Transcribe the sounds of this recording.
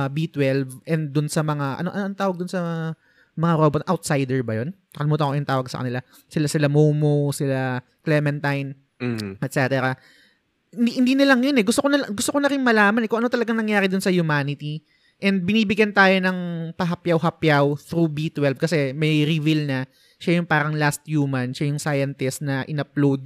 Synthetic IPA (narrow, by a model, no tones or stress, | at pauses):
bit̪wɛlvʔɛnd̪̚ːʊnsɐmɐŋaʔɐ̰noʔɐnonot̪aːwɐɡ̚d̪ʊnsɐ | mɐŋaɾobot̪ʔawt̪sajd̪ɛɹbɐjonnɐkɐlɪmuːt̪ɐŋkojʊnt̪aːwɐɡsɐ̰kɐ̰nɪla | sɪlasɪlamowmosɪla | klɛmɛnt̪ajn | ɛt̪sɛt̪ɛɾɐ | hɪnd̪ihɪnd̪iːnɪlɐŋjonɛɡʊst̪okonɐlɡʊst̪okonɐɾɪŋmɐlaːmɐnɛkʊŋɐnot̪ɐlɐɡaŋnɐŋjaːɾɛd̪ʊnsɐjʊmaːnɪt̪i | ʔɛnd̪̚bɪniːbɪɡjɐnt̪aːjo̞nɐŋpɐɦɐpjawɦɐpjawθɾubit̪wɛlvkɐsɛmɐjjɾivilnɐ | ʃajʊŋpaːɾɐŋlast̪̚juːmɐnʃajʊŋsaːjɐnt̪ɪst̪nɐʔɪnɐplowd̪̚